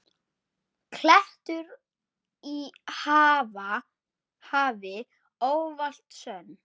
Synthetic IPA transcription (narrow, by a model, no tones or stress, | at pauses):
kʰlɛht̪ʏɾ | ihaːva | haːvɪ | oːwval̥t̪sœn